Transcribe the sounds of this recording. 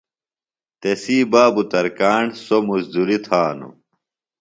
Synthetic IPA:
t̪esiːbaːbut̪ɐɾkaːɳsomuzd̪uɾit̪ʰaːnṵ

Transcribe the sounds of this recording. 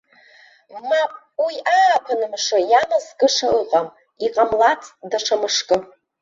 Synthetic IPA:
mapʼ | wiʔapʰanɨmʂajamazɡʼɨʂaɨqʼam | iqʼamlat͡sʰʼdaʈ͡ʂʰamɨʂkʼɨ

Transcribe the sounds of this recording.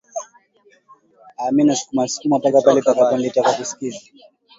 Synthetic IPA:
amɛnasu̥kuman̩su̥kumapakapalɛpakapandɛtakakiskizi

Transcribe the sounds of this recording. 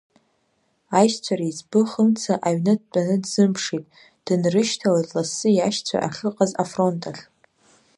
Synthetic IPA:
ajʃt͡sʷʰaɾaizbɨχəmt͡sʰaʔaɥnɨd̚t͡pʼanɨdzɨmpʰʂitʼ | d̥ɨnrɨʃtʰalazʼlasɨjaʃt͡sʷʰa̰ʔa̰χʲɨqʼazafro̞ntʼaɬ

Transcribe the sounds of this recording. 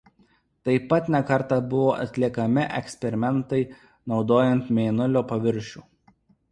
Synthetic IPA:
t̪ɐɪpːɐt̪nʲɛkɐɾˑt̪ɐbʊʋoːʔɐ̰t̪ʲlʲiɛkɐmʲɪʔɛ̰ksʲpʲɛɾʲɪmʲɛnt̪ɐɪ | nɒʊd̪oːjɛnt̪mʲeːnʊlʲoːpɐʋʲɪɾʲˑʃʲuː

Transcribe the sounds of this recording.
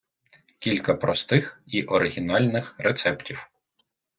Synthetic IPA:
kʲilʲkɐpɾɔst̪ɪxiʔɔɾɪɦʲinɑlʲnɪxɾet̪sɛptʲiw

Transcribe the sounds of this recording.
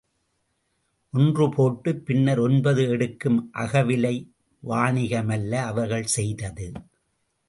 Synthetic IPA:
ʔɔndrɯpʰoːʈːɯpːɪnːɐɾɔnbɐðɯɛɽɯkːɯmʔɐ̰ɣɐʋɪlɐɪ | ʋaːɳɪɣɐmɐlːɐːʋɐɾɣɐɭsɛjðɐðɯ

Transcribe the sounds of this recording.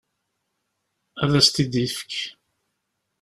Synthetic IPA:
æðæst̪id̪ifə̥k

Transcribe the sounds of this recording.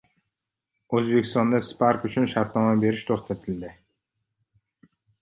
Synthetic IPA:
ɵzbe̞kʲʰɪst̪ɒnd̪aspʰaɾkʊt͡ʃʰʊnʃaɾt̪nɒmabe̞ɾɪʃt̪ʰoχt̪ʰat̪ʰɪld̪ɪ

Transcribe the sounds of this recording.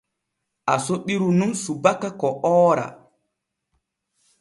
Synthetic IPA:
ʔasoɓiɾunumsubakːakɔɔːɾa̰

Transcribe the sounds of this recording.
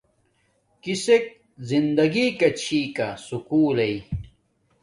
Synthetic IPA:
kisek̚ | zind̪ɐɡiːkɐt͡ɕʰiːkɐsukuːlɐi

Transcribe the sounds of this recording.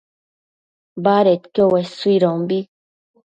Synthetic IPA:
baɾet̪kowɛsuiɾɔ̃mbi

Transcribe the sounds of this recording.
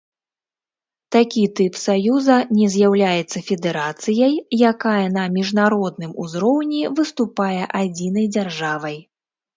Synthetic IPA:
t̪akʲit̪ɨpsajuzɐnʲɛzʲjawlʲajɛt̪sːɐfʲɛd̪ɛɾat̪sɨjɐjjakajɐnɐmʲiʐnaɾɔd̪̚nɨmuzɾɔwnʲivɨst̪upajɛʔad͡zʲinɐjd͡zʲarʐavɐj

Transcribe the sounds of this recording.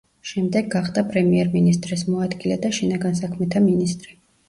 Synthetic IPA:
ʃɛmd̪ɛɡːaχd̪apʼɾɛmiɛɾminist̪ʼɾɛsmɔad̪ɡilɛd̪aʃinaɡans̬akʰmɛt̪ʰaminist̪ʼɾi

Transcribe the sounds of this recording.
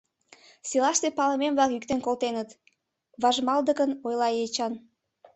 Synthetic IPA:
silɑʃt̪epɑləmemβlɑkyk̚t̪enkolt̪enət̪ | βɑʒmɑld̪əkənojlɑjet͡ɕɑn

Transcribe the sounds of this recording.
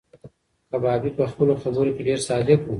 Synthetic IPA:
kabɑːbipəxpəloxabəɾokeɖeːɾsɑːd̪ɪku

